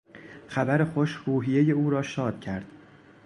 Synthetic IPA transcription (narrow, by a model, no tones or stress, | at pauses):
xæbæɾe̞xoʃɾuːɦije̞je̞uːɾɒːʃɒːd̪̥̚cʰæɾd̪̥